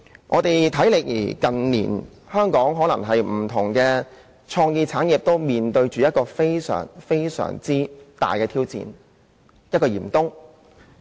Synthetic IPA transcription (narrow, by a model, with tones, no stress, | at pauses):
ŋʔɔː˨˧t̪e˨jt̪ʰɐ˨˥jlɪ˨k̚jḭː˨˩kɐ˨nlḭː˨˩n | hœː˥ŋkɔː˨˥ŋɦɔː˨˥lɐ˨˩ŋɦɐ˨jm̩˨˩t̪ʰʊ˨˩ŋkɛː˧ | t͡ʃʰɔː˧ŋjiː˧t͡sʰaː˨˥nji˨p̚t̪o˥wmiː˨nt̪ɵ˧ɥt͡ʃyː˨jɐ˥t̚kɔː˧fe˥jsœ̰ː˨˩ŋfe˥jsœ̰ː˨˩ŋt͡siː˥t̪a̰ː˨jkɛː˧t̪ʰiː˥wt͡sḭː˨n | jɐ˥t̚kɔː˧jiː˨˩mt̪ʊ˥ŋ